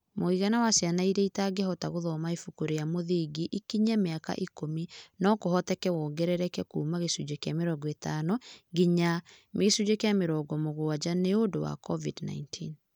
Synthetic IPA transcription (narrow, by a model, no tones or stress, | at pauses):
moiɣanawasjanaiɾɛitaɡɛhɔtaɣoðɔmaefukoɾejamoðiɡiʔikiɲameaka̰ʔikominɔkoɦɔtɛkɛwɔːŋɡɛɾɛɾɛkɛkuːmaɣesud͡ʒekeameɾɔɡɔetanɔɡiɲameɣesud͡ʒekeameɾɔːɡɔmoɣoad͡ʑaneodowa̰kɔvidna̰intʰin